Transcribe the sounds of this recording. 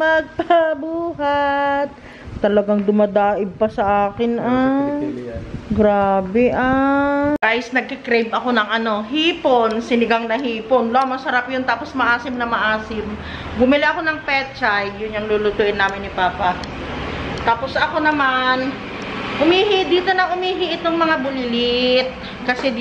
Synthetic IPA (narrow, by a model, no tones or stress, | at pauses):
mɐɡ̚pɐbuːɦat̪̚ː | ɐlɐɡaŋd̪ʊmɐd̪aːʔɪb̚pɐsɐʔaːkɪnʔa | ɡɾaːbɛʔakaːjɪsnɐɡ̚kɪkɾejbʔɐko̞nɐŋʔɐno̞ɦiːponsɪnɪɡaŋnɐɦiːponlomɐsɐɾapjont̪aːpo̞smɐʔaːsɪmnɐmɐʔaːsɪm | ɡʊmɪliʔɐko̞nɐŋpɛt͡ʃajːʊnːɐŋluːlʊt̪uːʔɪnːaːmɪnːɪpaːpa | t̪aːpo̞sʔɐko̞nɐman | ʔʊmiːɦɪd̪iːt̪o̞nɐŋʔʊmiːɦɪʔɪt̪oŋmɐŋabʊlɪt̪̚ | kɐsɛ